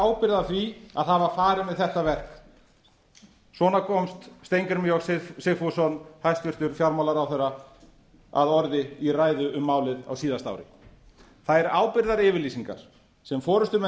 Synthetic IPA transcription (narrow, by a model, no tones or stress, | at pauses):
awpɪɾðaθɾia̰ðθavaɾfaːɾɪmɛðθɛht̪avɛr̥k | svɔːnakʰɔmst̪st̪ejŋkaɾmiɔssɪfɔsɔnhajst̪vɪr̥t̪ʏɾfjawɾmawlaɾawθɛra | a̰ðɔɾðɪiraːjðʏʏmːaːwlɪða̰wsiːðast̪a̰wɾɪ̰ | θaðɛɾaːwpɪɾðaɾɪːvɪɾliːsiŋka̰ɾ̥ | sɛmfɔːɾʏst̪ʏmɛ